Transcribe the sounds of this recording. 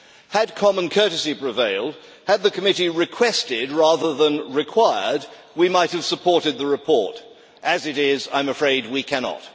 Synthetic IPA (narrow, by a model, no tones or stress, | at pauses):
hɨd̚kʰɑmə̃nkʰɜ˞ɾɨsipɹ̥ɨveɪlˠd̚ | ɨd̪̚ðɨkʰɨmɪɾiɹɨkʰw̥ɛstɪd̚ɹæðə˞ðə̃nɹɨkʰw̥aɪə˞d̚ | wimaɪt̚hɨv̥səpʰɔɹɾɨd̪̚ðɨɹɨpʰɔɹɾ | ʔɨzɨɾɪzã̰ɪ̃mɨfɹeɪd̚wikʰænɑ̰t̚